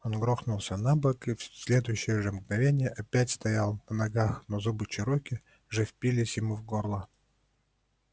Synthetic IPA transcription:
onɡɾoxnʊlˠsʲənabəkɨfsʲlʲe̞d̪ʊjʉɕːɪjəʐɨmɡnɐvʲenʲɪjəʔɐpʲætʲst̪ɐjalˠnənɐɡaxnozubɨt͡ɕɪɾokʲɪ | ʐɛfʲpʲilʲɪsʲjɪmuvɡorlˠə

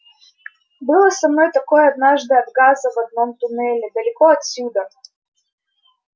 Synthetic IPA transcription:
bɨlˠəsɐmno̞jt̪ɐkojɐd̪̚naʐd̪ɨɐd̪ɡazəvɐd̪̚nomt̪ʊnɛlʲɪd̪əlʲɪkoɐt̪sʲud̪ə

